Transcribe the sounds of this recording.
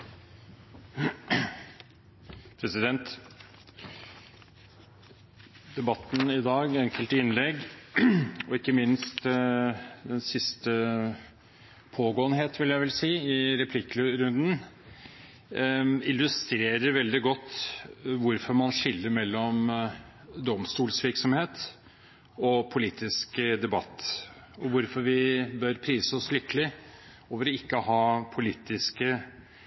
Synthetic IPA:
pʰɾɛsɪd̪ɛnt̪ | d̪ɛbɑt̪ːnɪd̪ɑːɡɛŋkəlt̪əɪnlɛɡ | ɔɪkːəmɪnst̪ | d̪ɛnsɪst̪ə | pʰoːɡoːənɦeːt̪ʰʋɪljæɪʋɛlsiːɪɾɛpʰlɪklɾʉnd̪n̩ | ɪlʉst̪ɾeːɾəɾʋɛld̪ɪɡɔt̪ːʋʊɾfɔɾmɑnʂɪlːəɾmɛlːɔm | d̪ɔmst̪uːlsʋɪɾksɔmheːt̪ | ɔpʰʊliːt̪ʰɪskd̪ɛbɑt̪ː | ɔʋʊɾfɔɾʋɪbœɾpʰɾiːsəɔslʏkːəlɪ | oːʋəɾɔɪkːəhɑːpʰʊliːt̪ɪskə

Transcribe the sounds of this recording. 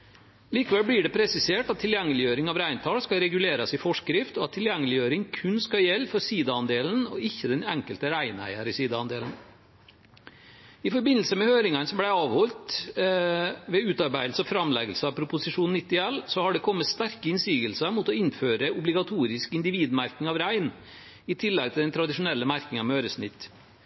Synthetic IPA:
liːkəʋɛlblɪɖɛpʰɾɛsɪseːʈɑt̪ʰːɪljɛŋːəlɪjøːɾɪŋɑʋɾæɪnt̪ʰɑːlskɑlɾɛɡʉleːɾɑsɪfɔʂkɾɪft̪ɔɑt̪ʰːɪljɛŋːəlɪjøːɾɪŋkʰʉnskɑjɛlːfɔɾsiːd̪əɑnd̪eːln̩ɔɪçːəd̪ɛnɛŋkəlt̪əɾæɪnæ̰ɪəɾɪsiːd̪əɑ̰nd̪eːln̩ | ɪfɔɾbɪnl̩səmɛhøːɾɪŋɑnsɔmblæɪɑːʋhɔlt̪ | ʋɛʉːt̪ɑɾbæɪd̪lsəɔfɾɑmlɛɡəlsəɑpʰɾʊpʊsɪʂuːnɪt̪ːɪɛlːsɔhɑɖɛkʰɔmːət̪st̪æɾkəɪnsiːɡəlsəmʊt̪ɔɪnføːɾəʊblɪɡɑt̪ʰuːɾɪskɪnd̪ɪʋiːd̪mæɾkɪŋɑʋɾæɪn | ɪt̪ʰɪlːɛɡt̪ʰɪld̪ɛnt̪ʰɾɑd̪ɪʂʊnɛlːəmæɾkɪŋɑmøːɾəsnɪt̪ː

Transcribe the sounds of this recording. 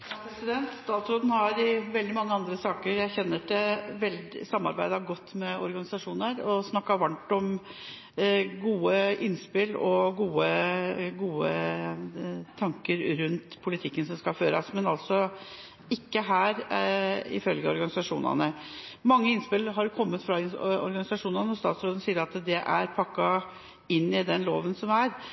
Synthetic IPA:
pʰɾɛsɪd̪ɛnt̪st̪ɑːt̪sɾoːd̪nhɑɾʋɛld̪ɪmɑŋːəɑnd̪ɾəsɑːkəɾjæɪçɛnːəɖɛʋɛld̪sɑmːɑ̰ɾbæɪd̪ɑɡɔt̪ːmɛɔɾɡɑnɪsɑʂuːnəɾɔsnɑkːɑʋɑɳʈɔm | ɡuːəʔɪnspɪlɔɡuːəɡuːə | t̪ʰɑŋkəɾɾʉnt̪pʰʊlɪt̪ʰɪkːənsɔmskɑføːɾɑ̰smɛnɑlt̪sɔ | ɪkːəɦæːɾ | ɪ̰fœlɡəɔɾɡɑnɪsɑʂuːnə̰nəmɑŋːəɪnspɪlɦɑɾjkʰɔmːət̪fɾɑɪɔ̰ɾɡɑnɪsɑʂuːnənəɔst̪ɑ̰ːt̪sɾoːd̪ən̩siːəɾɑt̪d̪ɛʔæɾpʰɑkːɑ | ɪnːɪd̪ɛnlo̰ːʋənsɔmæɾ

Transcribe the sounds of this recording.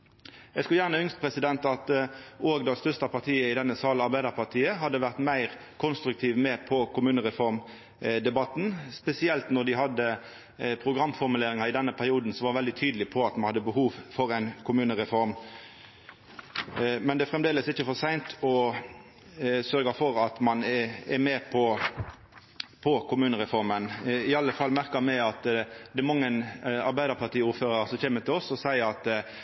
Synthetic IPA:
ɛɡskʉljæːʁnəʏŋst̪pʰʁɛsɪd̪ɛnt̪ɑt̪oːɡd̪ɑst̪œʁst̪ɑpʰɑʁt̪ʰiːəɪd̪ɛnːəsɑːlɑɾbæɪd̪ɑʁpʰɑʁt̪ʰiːəɦɑd̪ːəʋæʁt̪mæɪʁ | kʰʊnst̪ɾʉk̚t̪ʰiːʋmeːpʰɔkʊmʉːnəʁɛfɔʁm | d̪ɛbɑt̪n̩spɛsɪɛlt̪nɔd̪ɪɦɑd̪ːə | pʰʁʊɡɾɑmːfɔʁmʉleːɾɪŋɑɪd̪ɛnːəpʰæʁɪuːd̪n̩sɔʋɑːʁʋɛld̪ɪt̪ʰyːd̪əlɪpʰɔɑt̪mɑnhɑd̪ːəbəhuːʋfɔɾæɪnkʰʊmʉːnəʁɛfɔɾm | mɛnd̪ɛæfʁɛmd̪eːləsɪçːəfɔʁsæɪnt̪ʰɔ | sœɾɡɑfɔɾɑt̪mɑnɛɾmeːpʰɔ | pʰɔkʰʊmʉːnəɾɛfɔɾmənɪɑlːəfɑlːmæʁkɑmɛɑt̪d̪ɛɛmɑŋːənɑɾbæɪd̪əʁpʰɑʁt̪ʰiːuːɾføːɾɑsɔçeːmːət̪ɪlɔsɔsæɪəɾɑt̪

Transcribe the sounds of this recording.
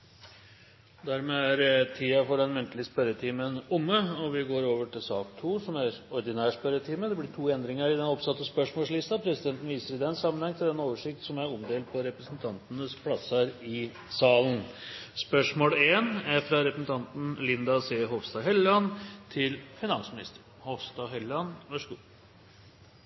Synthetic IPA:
d̪æɾmeːæɾt̪ʰiːɑfɔɖɛnmʉnt̪lɪəspœɾət̪ʰiːmənʊmːəɔʋɪɡoːɾoːʋəʈɪlsɑːkt̪ʰuːsɔmæɾɔɾd̪ɪnæːʂpœɾət̪ʰiːməd̪ɛblɪʈʰuːɛnd̪ɾɪŋəɾɪd̪ɛnɔpsɑt̪ːəspœʂmoːlslɪst̪ɑpʰɾɛsɪd̪ɛnt̪nʋiːsəɾɪd̪ɛnsɑmːənhɛŋt̪ʰɪld̪ɛnːoːʋəʂɪk̚t̪sɔmæɾɔmd̪eːl̚pʰɔɾɛpɾəsnt̪ʰɑnt̪ənəspʰlɑsɑɾɪ | sɑːlənspœʂmoːleːnæɾfɾɑɾɛpɾəsn̩t̪ʰɑnt̪n̩lɪnd̪ɑseːɦɔʋst̪ɑɦɛlɑnt̪ʰɪlfɪnɑnsmɪnɪst̪əɾ | hɔʋst̪ɑɦɛlɑnʋæʂəɡṵː

